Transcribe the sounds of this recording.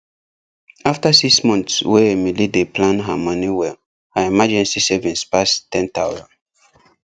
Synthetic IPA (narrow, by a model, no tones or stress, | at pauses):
aftasiksmɔ̃ntswɛemilideplãnɦamɔniwɛl | haimad͡ʒɛ̃nsisɛvĩnspastɛ̃ntawzã̰n